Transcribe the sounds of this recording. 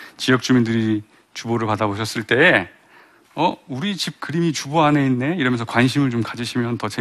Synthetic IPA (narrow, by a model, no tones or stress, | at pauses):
t͡ɕijʌk̚t͡ɕ͈umindɯɾi | t͡ɕuboɾɯɭpadaboɕ̬ʰʌs͈ɯɭt͈e̞ː | ʌuɾit͡ɕip̚kɯɾimit͡ɕuboɦaneinːe̞iɾʌmjʌnsʰʌkwanɕ̬ʰimɯɭt͡ɕomkad͡ʑiɕʰimjʌntʌt͡ɕe